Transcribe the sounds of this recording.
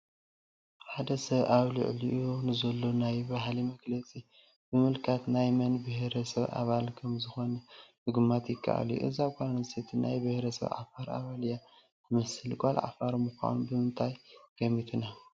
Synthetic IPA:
ħad̪ɐsɐβʔaβlɨ̰ʕliʔɨjonɨzɐlːo̞najbaɦlimɐɡlɐt͡sʼi | bɨmɨlkʰat̪najmɐnbɨhɾɐsɐβʔa̰βalkʰɐmzɨxo̞nɐ | ɨɡɨmːat̪jɪkʰːa̰ʔa̰ljṵʔɨzaɡʷʼanɐset̪ʰinajbɨhɾɐsɐ̰βʕa̰faɾa̰βalja | tʰɨmɐsɨlɡʷʼalʕa̰faɾmɨxʷa̰nbɨmɨnt̪ʰajkʰɐmit̪ʰɨna

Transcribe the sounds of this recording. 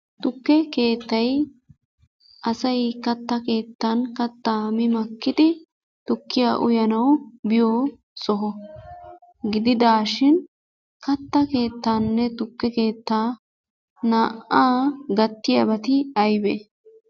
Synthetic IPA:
t̪ʊkːɛke̞ːt̪ːɐj | ʔɐsɐjkɐt̪ːɐke̞ːt̪ːɐnkɐt̪ːaːmɪmɐkːɪd̪ɪ | t̪ʊkːɪjaːʔʊjɐnɐwbɪjoː | sɔɦɔ | ɡɪd̪ɪd̪aːʃɪn | kɐt̪ːɐke̞ːt̪ːaːnːɛt̪ʊkːɛke̞ːt̪ːaː | naːʔaːɡɐt̪ːɪjɐbɐt̪ɪɐjbɛ

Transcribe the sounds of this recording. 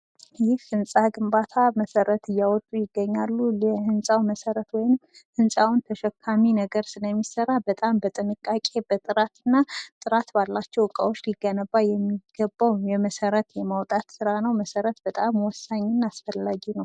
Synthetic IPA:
jɪhfɨnsʼaɡɨmbat̪ʰaməsəɾət̪ʰɨjːawɔt̪ʼujɪɡːəɲːalːulɛhɨnsʼawməsəɾət̪wɔjɪm | hɨnsʼawnt̪ʰəʃɛkʰːaminəɡəɾsɨləmːisərabət̪ʼambət̪ʼɨnɨkʼːakʼe̞bət̪ʼɨɾat̪ɨnːat̪ʼɨɾat̪balːat͡ʃːɛwɨkʼa̰wot͡ʃːliɡːənəbːajɛmːiɡ̥əbːawjɛməsəɾət̪jɛmawt̪ʼat̪sɨɾanəwməsəɾət̪̚b̥ət̪ʼamwɔsːaɲːɪnːasfəlːaɡinəw

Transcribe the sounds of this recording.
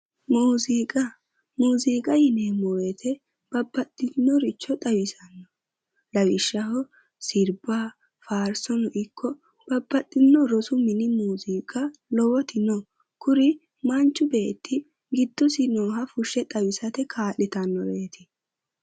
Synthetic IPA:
muːziːkʼɐ | muːziːkʼɐjɪneːmɔjɛt̪ʰɛ | b̥ɐbːɐt̪ːɪnːɔɾɪt͡ʃːɔt̪ʼɐwɪsɐnːɔ | lɐwɪʃːɐɦɔ | sɪɾbaː | faːɾsɔnɔʔɪkːɔ | b̥ɐbːɐt̪ʼːɪnːɔɾɔsʊmɪnɪmuːziːkʼɐlɔwɔt̪ʰɪnɔ | kʊɾɪ | mɐnt͡ʃːʊbe̞ːt̪ʰːɪ | ɡɪd̪̥ːɔsɪnɔːɦɐfʊʃːɛt̪ʼɐwɪsɐt̪ɛkʰaːʔɪt̪ɐnːɔ̰be̞ːt̪ʰɪ̥

